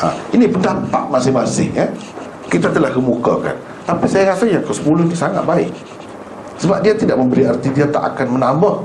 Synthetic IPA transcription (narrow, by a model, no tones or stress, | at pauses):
a̰inipəndampa̰ʔmasɪhmasɪ̰hja | kit̪at̪əlahkəmuka̰ka̰n | t̪apisajaɾasajaŋkəsə̥pulʊnisaŋa̰t̪̚baɪ̰k̚ | səbap̚diat̪idaʔ̚məmbəɾiart̪idiat̪a̰ʔa̰kanmənambah